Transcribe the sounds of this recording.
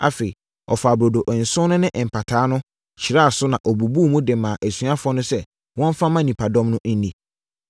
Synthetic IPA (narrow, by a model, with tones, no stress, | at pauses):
a̰˨fe˨i˨ | ɔ̰˨fa˨bɾo˨do˨ʔn̩˨sʊ̃˦nʊ̃˦nɪ̃˦ʔm̩˨pʰa˨tʰaː˨˦nʊ̃˦ | t͡ɕʰi˨ɾa˦˨sʊ˦nã˨ʔɔ˨bu˨bu˦˨mũ˦dɛ˨mãː˨ʔæ˨sɥa˦fʊ˦ɔ˦nʊ̃˦sɛ˦ | wɔ̃˦m˦fã˦mã˦nĩ˨pʰa˨dɔ̃˦mnʊ̃˦n̩˦nĩ˨